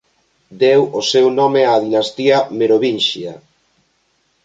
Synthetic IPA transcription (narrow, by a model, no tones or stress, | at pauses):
d̪ewosewnɔmeaðinast̪iameɾoβinʃia̰